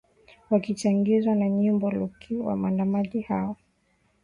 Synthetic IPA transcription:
wakit͡ʃaŋɡizwanaɲimbɔlukʰiwa̰mandamaʄihaɔ

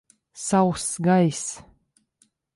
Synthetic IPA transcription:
sawsɡajs

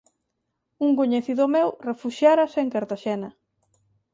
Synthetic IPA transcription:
uŋkoɲeθiðʊmewrefuʃjaɾɐseŋkaɾt̪aʃenɐ

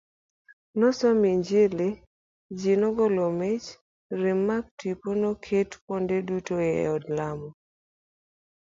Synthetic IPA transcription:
nɔsɔmiɲd͡ʒele | d͡ʒinɔɡɔlomet͡ʃ | ɾɪmːak̚twiponokʰetpondedutoḛɔdlamɔ

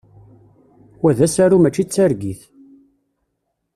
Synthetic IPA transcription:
wæðæsaɾumæt͡ʃːit͡sːæɾɡiθ

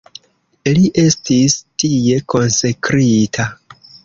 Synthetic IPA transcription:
liʔe̞stistije̞ko̞nsekɾitʰa

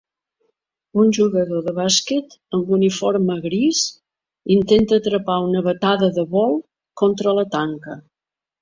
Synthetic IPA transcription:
unʲʒuɣəðoðəβasket̪əmbunifoɾməɣɾiz | int̪ent̪əːt̪ɾəpaunəβət̪aðəðəβɔlˠ | kɔnt̪ɾələt̪aŋkə

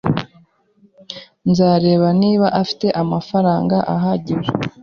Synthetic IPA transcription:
nzaːɾe̞ːβaniːβaʔafi̥te̞ʔamafaɾaːŋɡaʔaɦaɟiɾe

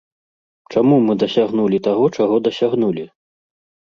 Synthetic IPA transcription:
t͡ʂamumɨd̪ɐsʲaɣnulʲit̪aɣɔt͡ʂaɣɔd̪ɐsʲaɣnulʲi

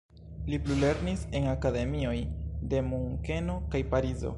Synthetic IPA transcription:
liplule̞ɾnise̞ŋakade̞mio̞jde̞muŋke̞no̞kajpaɾizo̞̰

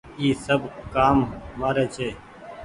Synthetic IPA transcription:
iːsəbʱkaːmːaːɾeːt͡ʃʰeː

